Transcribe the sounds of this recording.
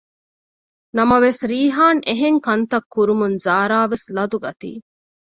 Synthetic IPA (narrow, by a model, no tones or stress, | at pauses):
nɐmɐʋesɾiːɦaːneɦeŋkɐnt̪ɐkːuɾumunzaːɾaːʋeslɐd̪uɡɐt̪ḭː